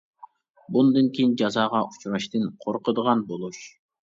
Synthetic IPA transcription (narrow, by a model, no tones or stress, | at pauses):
bund̪ɨnkʲʰejind͡ʒɑzɑːʁɑʔut͡ʃʰuɾɑʃt̪ɨnqʰoɾqəd̪əʁɑnbolˠuʃ